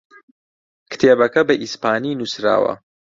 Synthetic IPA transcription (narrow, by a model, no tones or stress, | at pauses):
kɨ̥t̪ʰeːbɐkɐbɐʔispaːninusɾa̰ːwɐ̰